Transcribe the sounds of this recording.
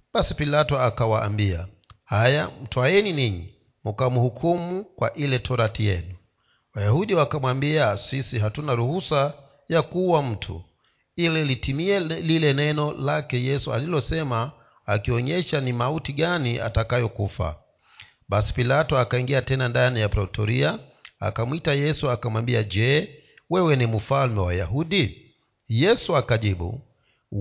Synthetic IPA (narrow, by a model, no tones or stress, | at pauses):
ɓasipilatɔakawa̰ːmbia̰ | hajam̩tuajɛniniɲḭ | mukamuhukʰumukwaʔilɛtʰɔɾatijɛ̰nu | wajahuɗiwakamwambiasisiɦatunaɾuhusa | jakuwam̩tʰṵ | ilɛlitimiɛlilɛnɛnɔlakɛjɛsua̰lilɔsɛmaː | kiɔɲɛʃanimautiɠaniʔa̰takajɔkufa̰ | ɓasi̥pilatɔakaiŋɡiatɛnandanijapɾɔtʰɔɾiaa̰kamwitajɛsuakamwambiad͡ʒɛ | wɛwɛnimufalmɛwaja̰ɦuɗi | jɛsuakaʄiɓṵ